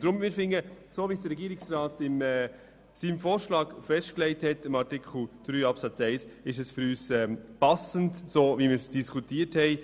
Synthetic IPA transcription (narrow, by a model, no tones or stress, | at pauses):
d̥ɾʊmmɪːɾfɪŋəsoːvisd̥əɾːɛɡiːɾɪksɾɑːtɪmɛ | siːmfoːɾʃlɑːɡfɛʃtklɛɪthɛtɪmɑɾtɪkʰχl̩d̥ɾyːɑpsɑt͡sɛɪsɪʃ̬ɛsfʏɾyːsɛːpɑsəntsoːvimɪːɾsd̥iskʰutiːəthɛɪ